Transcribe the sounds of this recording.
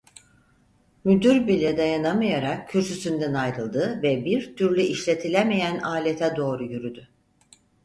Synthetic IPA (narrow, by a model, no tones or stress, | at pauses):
myd̪yɾbilʲɛd̪ajanamajaɾak̚cʰːyɾsysynd̪ænajɾɯlˠd̪ɯvɛbiɾt̪ʰyɾlʲyʔiʃlʲe̞t̪ʰilʲemejænaːlʲet̪ʰɛd̪o̞ːɾujyɾyd̪y